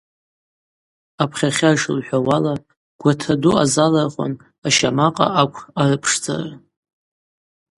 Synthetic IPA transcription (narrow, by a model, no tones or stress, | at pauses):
apʰχʲaχʲaʂɨlħʷᶣawala | ɡ̥ʷatʰadua̰zalarχʷa̰n | aʃamaqʼa̰ʔakʷʰarɨpʰʂd͡za̰ra